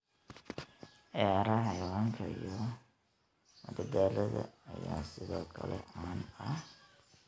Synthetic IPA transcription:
ʔɛːɾɐhjʁɐŋkʰɐjɔ | mɐd̪ɐd̪aːlɐðɐːjaːsɪðɔːkʰɐlɛʔanɐh

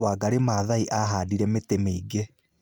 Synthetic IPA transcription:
aːɡaɾemaːðaiʔaɦaːdiɾɛmetemeiɡe

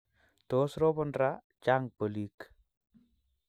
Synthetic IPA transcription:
tosɾobɔnɾa | d͡ʒaŋpəlik

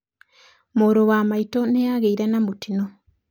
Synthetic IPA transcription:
moːɾowaːmaitonejaɣeiɾanamutino

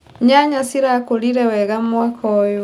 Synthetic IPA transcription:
ɲaɲasiɾakoliɾɛwɛɣamwakʰɔjo

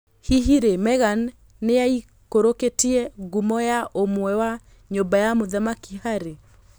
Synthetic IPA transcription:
hiɦiɾemɛɣanː | eai | koɾoketiɛɣumɔjaʔomwɛwa | ɲombajamoðamakihaɾe

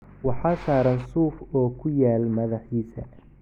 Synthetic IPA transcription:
wɑħɑːsaːɾɐnsuːfɔːkʰʊjaːlmɐðɑħiːsɐ

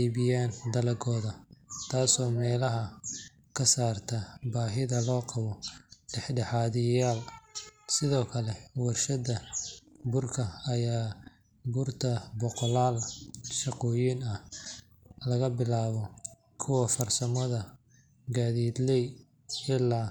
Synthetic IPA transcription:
iːβɪjaːnd̪ɐlɐɡɔːðɐt̪ʰaːsɔːmɛːlɐɦɐ | kʰɐsaːrt̪ʰɐbaːɦɪðɐlɔːqɑβɔɖɛħɖɛħaːðɪjaːlsɪðɔːkʰɐlɛwɑrʃɐdɐ | bʊrkʰɐɐjaː | bʊrt̪ʰɐbɔqɔlaːlʃɑqɔːjiːnɐ | lɐɣɐbɪlaːβɔ | kʰʊwɐfɐrsɐmɔðɐ | ɡaːðiːd̪lɛj | ɪlːaː

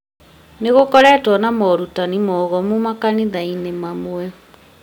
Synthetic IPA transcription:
neɣokɔɾɛːtwɔnamɔɾutanimɔːɣɔmumakaniðainemamoɛ

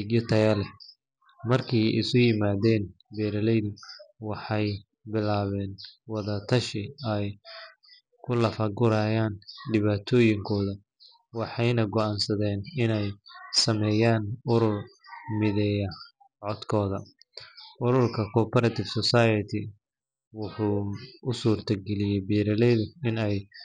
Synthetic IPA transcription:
ɡjɐt̪ʰɐjɐlɛ | mɐrkʰɛjɪ̰sʊjɪmaːðɛːnbɛːɾɐlɛjðʊwɑħɑj | bɪlaːβɛːnwɑðɐt̪ʰɐʃɪɛj | kʰʊlɐfɐɡʊɾaːjaːnɖɪβaːt̪ʰɔːjɪŋkʰɔːðɐ | wɑħɑjnɐɡɔaːnsɐðɛːnɪnɛjsɐmɛːjaːnʊɾʊrmɪðɛjɐ | ʕɔd̪kʰɔːðɐ | ʔʊɾʊrkʰɐkʰɔːpʰɐɾɐt̪ʰɪfsɔsajɐt̪ʰɪ | wʊħuːʊsuːrt̪ʰɐɡɛlɪjɛbiːɾɐlɛjðʊɪnɛj

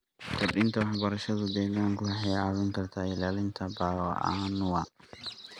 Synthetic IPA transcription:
kʰɐɗɪnt̪ʰɐwɑħbɐɾɐʃɐðʊd̪ɛːɣaːŋkʰʊɐħɛjɑːβɪŋkʰɐrt̪ʰaːɪlaːlɪnt̪ʰɐbaːlɔʔa̰ːnʊwɑ

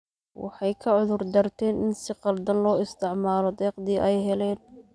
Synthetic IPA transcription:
wɑ̰ħɑjkʰɐʕʊðʊrd̪ɐrt̪ʰɛːnʔɪnsɪqɑld̪ɐnlɔːɪst̪ʰɪʕmaːlɔd̪ɛːqd̪iːʔɛjɦɛlɛːn

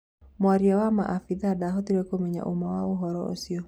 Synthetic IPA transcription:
mwaɾiawama̰ʔafiðadaɦotiɾekomɛɲa̰ʔomawaoɦɔɾɔo̰siɔ

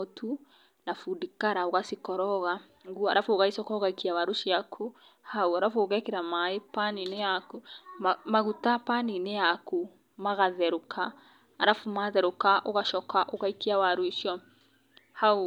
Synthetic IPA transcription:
otʰu | nafudikaɾaoɣasikɔɾɔɣa | ŋɡuaɾafoɣaisɔkɔoɣaikiawaɾoʃiakʰo | hauaɾafoɣɛkeɾamaepaninejakuamaɣutapaninejaku | maɣaðɛɾokʰaː | ɾafumaðɛɾokaʔoɣaʃɔkaʔoɣaikiawaɾwiʃjɔ | hau

